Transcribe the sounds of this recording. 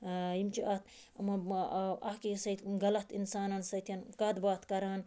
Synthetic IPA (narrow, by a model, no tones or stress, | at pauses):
jimt͡ʃiʔɐt̪̚ | ɐmɐɐkisɐjt̪ɡɐlɐt̪insaːnɐnsɐjt̪ʰiɐnkɐd̪baːt̪kɐɾaːn